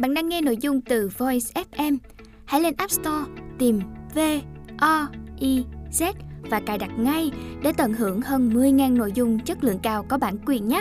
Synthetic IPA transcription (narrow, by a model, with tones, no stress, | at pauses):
ɓa̰ː˧˨nɗaː˧ŋːɛ˧no̰˧˨jzʊ˧ŋ͡mt̪ɨ˨˩vo˧ɛ˧sʔɛ˦˥p̚ʔɛ˧m | ha̰˧˥jle˧nʔaː˦˥p̚st̪ɔ˧t̪i˨˩mve˧ʔɔ˧ʔi˧zɛ˦˥t̚vaː˨˩kaː˨˩jɗa˨˩t̚ŋa˧jɗḛ˧˩˦t̪ə˧˩nhɨ˧˩əŋhəː˧nmɨ˧əjŋaː˨˩nːo̰˧˨jzʊ˧ŋ͡mt͡ɕə˦˥t̚lɨ̰˧˨əŋkaː˧˩wkɔ˨˦ɓaː˧˩˨nkwi˨˩ənɲaː˦˥